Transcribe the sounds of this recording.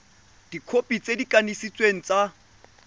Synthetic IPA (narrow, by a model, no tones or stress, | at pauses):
d̥ikʰopʼit͡sʼedikʼanisit͡sʼweŋ̩t͡sʼa